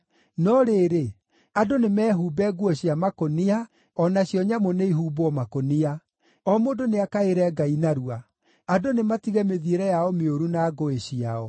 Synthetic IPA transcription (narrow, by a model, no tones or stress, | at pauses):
nɔɾeɾe | adonemɛːɦuːbɛɡwɔɕiamakonia | ɔnaɕjɔɲamoneiɦuːboɔmakonia | ɔmodoneakaeɾɛɡainaɾua | adonematiɣɛmeðieɾɛjaɔmeoɾunaːɡoeɕiaɔ